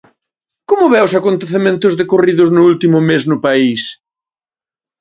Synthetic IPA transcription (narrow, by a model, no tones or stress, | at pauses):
komʊβɛʊsakont̪eθemẽnt̪ʊzðekoriðʊznʊult̪imʊmeznʊpais